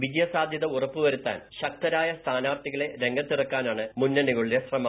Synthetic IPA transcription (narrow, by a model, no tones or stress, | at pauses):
ʋid͡ʑjɐsaːd̪ʱjɐðɐurɐpːɨʋɐɾut̪ːa̰ːnɕɐk̚t̪ɐɾaːjɐst̪ʰaːnaːrt̪iɣɐɭe̞ɾe̞ŋɡʱɐt̪ːirɐkːaːnaːɳɨmunːɐnuɣɐɭiɾesrɐma